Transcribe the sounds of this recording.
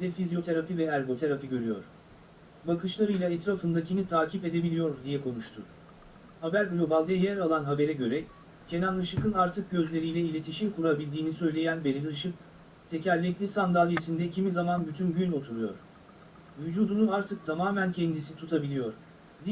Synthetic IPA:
d̪ɛfizijo̞t̪ʰe̞ɾapivɛæɾɡo̞t̪ʰeɾapiɟø̞ɾyjo̰ɾ̥ | bakʰɯʃlˠaɾɯjlˠaɛt̪ɾafɯnd̪acʰinit̪ʰaːcʰipe̞d̪e̞bilʲijo̞ɾd̪ijɛkʰo̞nuʃt̪ʰʊ | habæɾɡlʲobalˠd̪ejæɾalˠanɦabe̞ɾɛɟø̞ɾɛ | cʰenanlˠɯʃɯkɯnaɾt̪ʰɯk̚ɟø̞zlʲe̞ɾijlʲɛilʲe̞t̪ʰiʃiɾkuɾabilʲd̪iːnisø̞jlʲe̞jænbeɾʲilˠɯʃɯk̚ | t̪ʰecʰælʲːɛclʲisand̪alˠjesind̪ɛcʰimizamanbyt̪ʰynɟyno̞t̪ʰuɾujo̞̰ɾ̥ | vyd͡ʒuːd̪unuaɾt̪ʰɯk̚t̪ʰamaːmæncʰɛnd̪isit̪ʰut̪ʰabilʲijo̞ɾ̥ | d̪

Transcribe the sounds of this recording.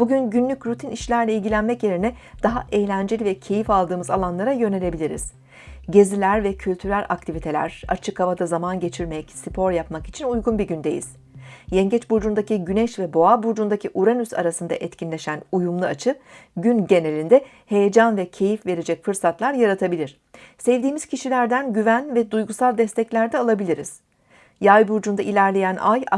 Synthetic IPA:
b̥uɟynɟynlʲycɾut̪ʰiniʃlʲæɾlʲɛilʲɟʲilʲænmɛcje̞ɾinɛ | d̪̥aɦaʔejlʲænd͡ʒe̞lʲivɛcʰe̞jifalˠd̪ɯːmɯzalˠanlˠaɾajø̞ne̞lʲe̞bilʲiɾḭz̥ | ɟe̞zilʲæɾvɛcʰylʲt̪ʰyɾælʲʔak̚t̪ʰivit̪ʰe̞lʲæ̰ɾ̥a̰t͡ʃʰɯkhavad̪azamanɟe̞t͡ʃʰiɾmejɛcsipʰo̞ɾjapmaki̥t͡ʃʰinujɡunbiɟynd̪e̞jḭz̥ | jɛɲɟɛt͡ʃbuɾd͡ʒund̪aciɟynɛʃvɛbo̞abuɾd͡ʒund̪acʰiʔuɾanysa̰ɾasɯnd̪a̰ʔɛt̪cʰinlʲe̞ʃænujumlˠuat͡ʃʰɯɟynɟe̞ne̞lʲind̪ɛ | he̞jed͡ʒanvɛcʰe̞jifve̞ɾed͡ʒɛcfɯɾsat̪lˠaɾjaɾat̪ʰabilʲiɾ̥ | sɛvd̪iːmiz̥cʰiʃilʲæɾd̪ænɟyvænvɛd̪ujɡusalˠd̪ɛst̪ʰɛclʲæɾd̪ɛalˠabilʲiɾiz̥ | jajbuɾd͡ʒund̪ailʲæɾlʲejænʔa̰j

